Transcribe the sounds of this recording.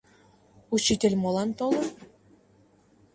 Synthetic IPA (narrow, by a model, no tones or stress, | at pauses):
ut͡ɕːitʲĕlʲmolˠɑnt̪olˠɤ̆